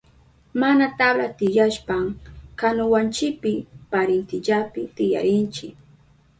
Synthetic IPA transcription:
manat̪ablat̪ɪʎaʃpaŋkanʊwant͡ʃɪpɪpaɾɪnt̪ɪʎapɪt̪ɪja̰ɾɪnt͡ʃɪk

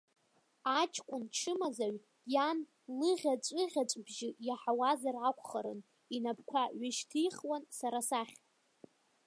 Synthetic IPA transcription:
at͡ʃʰʼkʷʼʊnt͡ʃʰɨmazaɥ | jan | lɨʁʲat͡ʃʷʼɨʁʲat͡ʃʷʼbʒɪjaħawazarakʷʰʼχaɾɨn | inabkʷʰaɥɪʃtʰijχwansaɾasaχʲʼ

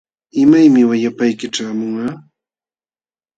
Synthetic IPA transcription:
ɪmajmɪwajapajkɪʈ͡ʂaːmʊɴɑː

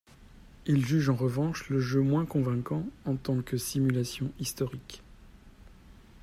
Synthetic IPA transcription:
ilʒyʒɑ̃ʁəvɑ̃ʃləʒømwɛ̃kɔ̃vɛ̃kɑ̃ɑ̃t̪ɑ̃kəsimylasjɔ̃ist̪ɔʁik

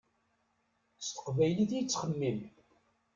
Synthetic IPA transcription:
st̪ə̥qvæjliθijt͡sːχəmːim

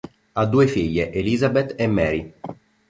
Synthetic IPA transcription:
ad̪ːuːefiʎːeʔeliːzabet̪ːemːɛːɾi

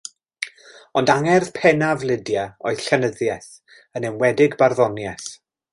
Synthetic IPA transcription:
ɔndaŋɛrð̥pʰɛnavlˠɪdjaoɨð̥ɬɛnəðjɛθ | ənɛmwɛdɪɡbarðɔnjɛθ

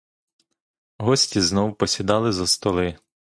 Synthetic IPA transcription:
ɦɔsʲtʲiznɔwpɔsʲid̪ɑlˠɪzɐst̪ɔlˠɪ

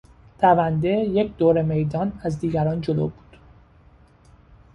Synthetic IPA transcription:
t̪ʰævænd̪e̞je̞cʰd̪̥oːɾeme̞jd̪ɒːnæzd̪iːɡæɾɒːnd͡ʒolo̰ːbuːd̪̥

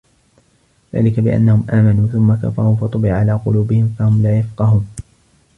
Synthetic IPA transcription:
ða̰ːlɪkabɪʔa̰nːahʊmʔaːmanuːθʊmːaka̰fɑ̰ɾˤuːfɑt̪ˤʊbɪʕʕalaːqʊluːbɪhɪmfahʊmlaːjafqɑɦʊm

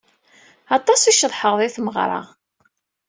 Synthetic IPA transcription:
ɑt̪ˤɑsiʃəðˤħəʁðˤiθməʁɾˤɑ̰

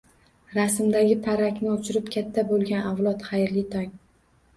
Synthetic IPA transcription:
ɾasɪmd̪aɡʲɪpʰaɾakʲnɪʊt͡ʃʰɪɾɪpkʲʰat̪ʰːabolˠɡʲanawlˠɒt̪χajɾlɪt̪ʰɒŋ

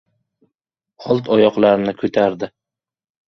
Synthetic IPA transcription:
ɒlˠt̪ʰɒjɒqlˠaɾnɪkʰɵt̪ʰaɾd̪ɪ

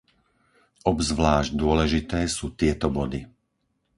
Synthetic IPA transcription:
ʔɔbzʋlaːʒɟd̪ʊɔlɛʒit̪ɛːsuːt̪ɪɛt̪ɔbɔd̪i

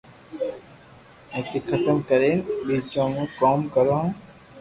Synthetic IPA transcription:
ẽːkiːkʰət̪əmkəɾeːnɓiːt͡ʃõːmũːkoːmkəɾõː

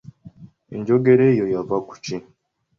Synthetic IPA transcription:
ḛɲɟoɡeɾejojavaku̥ci

